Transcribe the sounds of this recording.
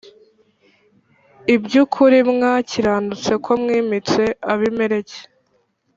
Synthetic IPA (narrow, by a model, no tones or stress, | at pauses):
ibɟukʰuɾimŋaciɾaːndut͡se̞kʰo̞mŋiːmit͡se̞aβimeɾe̞ce̥